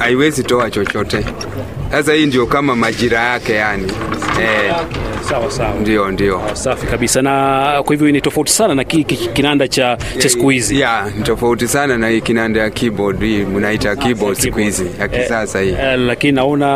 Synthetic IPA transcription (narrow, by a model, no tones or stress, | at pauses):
aiwɛzitɔat͡ʃɔt͡ʃɔtɛ | sas̬ahiːndiɔkamamaʄiɾajakɛjaniɛ | sawasawndiɔndiɔsafikaɓisanakwahivjɔhinitɔfauti̥sananakiikinandat͡ʃa | t͡ʃasi̥kuhizijanitɔfautisananaikinandajakibɔdimunaitakibɔsikuhizijaksasahilakininaɔna